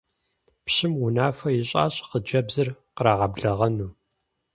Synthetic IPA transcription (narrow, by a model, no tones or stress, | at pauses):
pɕɪmʊnaːfɐjɪɕʼa̰ːɕʼqəd͡ʒɐbzɨrqɾaːʁɐbɮɐʁɐnuː